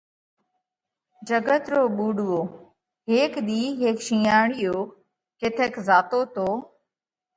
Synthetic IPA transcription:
d͡ʒəɡət̪ɾoːɓuːɖʊʋoː | ɦeːkɗ̪iːɦeːkʃĩːaːɳɪjoː | kɪt̪ʰeːkzaːt̪oːt̪oː

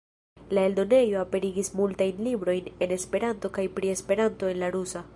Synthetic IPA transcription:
lae̞ldo̞ne̞joape̞ɾiɡismultajnlibɾo̞jne̞ne̞spe̞ɾanto̞kajpɾie̞spe̞ɾanto̞e̞nlaɾusa

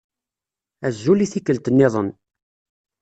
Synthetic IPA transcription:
æzːuliθikːəlt̪ənːɪðˤən

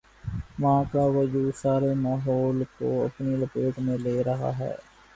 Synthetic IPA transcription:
ʋãːkaʋɐd͡ʒuːsaːɾemaːɦɔːlkoɐ̰pniləpeːʈmẽleːɾɐɦa̰ɦɛ̰ː

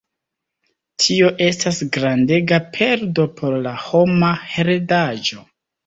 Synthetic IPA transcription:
tʰio̞ʔe̞stasɡɾande̞ɡapʰe̞ɾdo̞pʰo̞ɾlaho̞maheɾedad͡ʒo̞

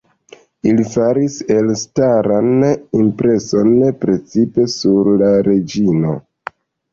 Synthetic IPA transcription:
ilifaɾise̞lstaɾanimpɾe̞so̞npɾe̞t͡sipe̞suɾlaɾe̞d͡ʒino̞̰

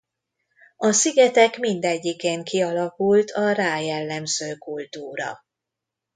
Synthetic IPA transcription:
ɒsiɡɛt̪ɛkmind̪ɛɟːikeːŋkiɒlɒkult̪ʰɒraːjɛlːɛmz̥øːkult̪uːɾɒ̰

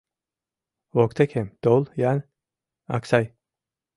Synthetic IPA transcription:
vokt̪ʰekʰemd̪̥olˠjan | a̰ksaj

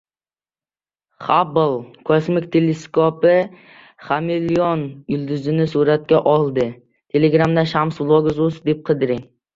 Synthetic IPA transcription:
χɑbəlˠkʰosmɪkʲt̪ʰeleskʰopɨ | χɑmelionjyld̪yzɪnɪsuɾɛt̪̚kʲɛʔɑlˠd̪ɨ | t̪ʰeleɡɾɑmd̪ɛʃɑmsblˠoɡzusd̪ep̚qʰəd̪ɨɾɪŋ

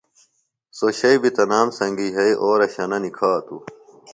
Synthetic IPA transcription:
soɕɐibit̪ɐnaːmsɐŋɡiɦɐiʔoːɾɐɕɐnɐnikʰaːt̪u

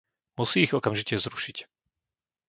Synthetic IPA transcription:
musiːɣɔkamʒicɛzɾuʃic

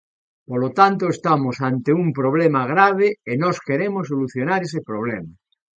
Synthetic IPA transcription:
polot̪ant̪oest̪amosant̪eumpɾoβlemaɣ̞ɾaβ̞eenoskeɾemosːoluθjonaɾesepɾoβ̞lema

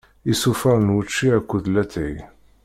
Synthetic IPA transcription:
isufæɾnwət͡ʃːiækʷːuðlæt̪æj

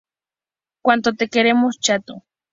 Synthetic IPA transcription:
kʷwant̪ot̪ekeɾemost͡ʃat̪o

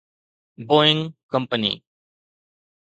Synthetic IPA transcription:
bɔɪ̃ŋkʌ̃mpənḭ

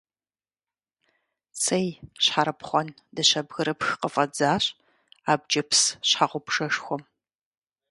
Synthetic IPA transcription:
t͡sʰɐjɕħaɾɐpχʷɔn | dɐɕɐbɣɐɾɐpxqəfʼɐd͡zaːɕʼ | aːbd͡ʒɐpsɕħaʁʷʊpʂɐʂxʷɔm

